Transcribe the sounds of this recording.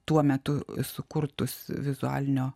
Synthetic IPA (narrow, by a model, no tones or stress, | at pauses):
t̪uɔmʲɛt̪ʊsʊkʊrt̪ʊsʋʲɪzʊæ̰ːlʲɪnʲoː